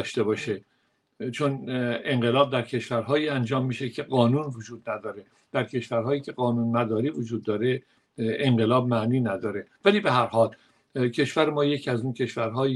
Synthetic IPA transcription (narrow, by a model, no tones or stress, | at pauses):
ʃt̪e̞bɒːʃe | t͡ʃʰone̞ɴɢe̞lɒːb̚d̪æɾcʰe̞ʃvæɾɦɒːiːænd͡ʒɒːmːiːʃecʰe̞ɢɒːnuːnvod͡ʒuːd̪næd̪ɒːɾe̞ | d̪̥æɾcʰe̞ʃvæɾɦɒːjiːcʰe̞ɢɒːnuːnːæd̪ɒːɾiːvod͡ʒuːd̪ːɒːɾe̞ | eɴɢe̞lɒːb̚mæʔniːnæd̪ɒːɾe̞væliːbe̞ɦæɾhɒːl | cʰe̞ʃv̥æɾemɒːje̞cʰiæzuːncʰe̞ʃvæɾɦɒːj